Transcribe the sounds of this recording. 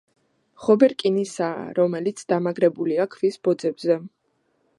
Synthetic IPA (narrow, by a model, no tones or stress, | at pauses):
χɔbɛɾkʼinisa̰ːɾɔmɛlit̪sʰd̪amaɡɾɛbuliakʰvisb̥ɔd̪zɛbzɛ